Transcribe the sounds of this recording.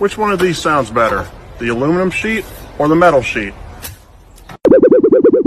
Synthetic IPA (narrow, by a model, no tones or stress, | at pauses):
wɨt͡ʃwʌ̃nʌvðiz̥sãʊ̃ndzbɛɾə̰˞ðiɨlʉ̃mənɨ̃mʃiɾə˞ðəmɛɾl̩ˠʃit̚